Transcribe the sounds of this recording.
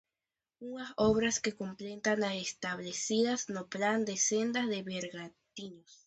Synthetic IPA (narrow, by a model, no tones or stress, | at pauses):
uasoβɾaske̞komplent̪anaest̪aβlesiðasnopland̪esend̪aðe̞βeɾɣat̪iɲos